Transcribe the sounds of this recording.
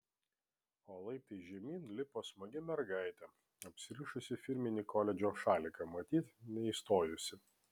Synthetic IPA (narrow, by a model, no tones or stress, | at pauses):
oːlˠɐɪp̚t̪ɐɪʒʲɛmʲiːnlʲɪpoːsmɐɡʲɪmʲɛɾɡɑˑɪt̪ʲɛ | ɐpʲsʲɪɾʲiːʃʊsʲɪfʲɪɾʲmʲɪnʲiːkʰɔlʲɛd͡ʒʲoːʃɑːlʲɪkɐmɐt̪ʲiːt̪nʲɛist̪oːjʊsʲɪ